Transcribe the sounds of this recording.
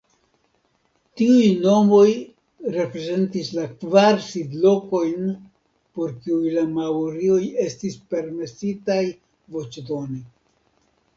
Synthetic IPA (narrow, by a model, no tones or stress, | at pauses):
tiujno̞mo̞j | ɾe̞pɾe̞ze̞ntislakvaɾsidlo̞ko̞jn | po̞ɾkiujlamawɾio̞je̞stispe̞ɾme̞sitaj | vo̞t͡ʃdo̞ni